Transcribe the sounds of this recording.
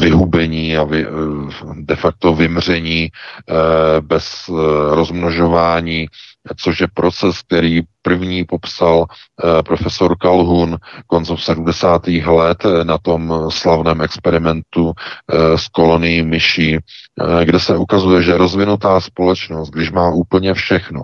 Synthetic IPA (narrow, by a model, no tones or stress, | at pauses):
vɪɦubɛɲiːavɪ | dɛfak̚t̪o̞vɪmr̝ɛɲiː | bɛsɾo̞zmnoʒo̞vaːɲiːt͡so̞ʃjɛpɾʔo̞t͡sɛsk̚t̪ɛɾiːpr̩vɲiːpo̞psalpɾo̞fɛso̞ɾkalɦunko̞nt͡sɛmsɛdumdɛsaːt̪iːxlɛt̪nat̪o̞mslavnɛːmɛkspɛɾɪmɛnt̪u | sko̞lo̞nɪjimɪʃiː | ɡdɛsɛʔukazujɛʒɛɛɾo̞zvɪnut̪aːspo̞lɛt͡ʃno̞st̪̚ɡdɪʃmaːʔuːpl̩ɲɛfʃɛxno